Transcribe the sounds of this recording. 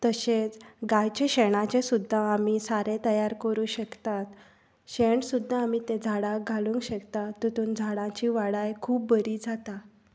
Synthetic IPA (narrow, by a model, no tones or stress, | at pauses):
t̪əɕet͡sɡajt͡ɕeɕeɽ̃at͡ɕesud̪ʱːaamiːsaɾẽt̪əjaɾkəɾuːɕəkt̪at̪ | ɕeɳsud̪ʱːaːmit̪ed͡zʱaɽaɡʱaluŋkɕəkt̪at̪ːut̪uːnd͡zʱaɽãt͡ɕiʋaɽajkʰuːp̚bəɾiːd͡zʱat̪a